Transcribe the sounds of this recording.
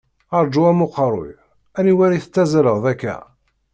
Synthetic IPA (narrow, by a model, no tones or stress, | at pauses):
ɑɾˤd͡ʒuæmʊqəɾˤo̰j | æniwæɾiθə̥t͡sːæzɾəʁðækːæ̰